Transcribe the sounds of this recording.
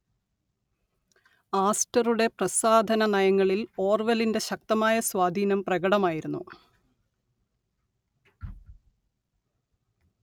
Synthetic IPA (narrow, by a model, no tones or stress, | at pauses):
aːstɐruɽe̞prɐsaːd̪ʱɐnɐnɐjɐŋːɐɭilo̞ːrʋɐlinde̞ɕɐk̚t̪ɐmaːjɐswaːd̪ʱiːnɐmprɐɣɐɽɐmaːjiɾunːu